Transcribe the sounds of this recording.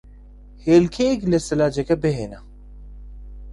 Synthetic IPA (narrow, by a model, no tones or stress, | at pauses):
heːlkʰeːɡlɐsɐlaːd͡ʑɐkɐbeɦeːna